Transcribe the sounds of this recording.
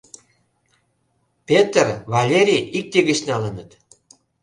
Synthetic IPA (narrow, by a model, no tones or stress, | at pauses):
pʲet̪ərvɑlʲeɾʲiik̚t̪eɣə̆t͡ɕnɑlənət̪